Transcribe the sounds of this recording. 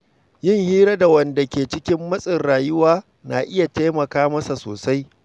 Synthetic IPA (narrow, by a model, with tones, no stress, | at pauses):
jɪ˦ŋhiː˦ɾɐ˦da˨wɐ˨nda˨kʲeː˨t͡ʃɪ˦kʲɪ˦mːɐ˦sʼɪ˨rɽaː˨jʊ˦waː˦ | na̰ː˨ʔɪ˦ja˨te˦mɐ˨kaː˦mɐ˦sa˨so̰ː˨sa˦j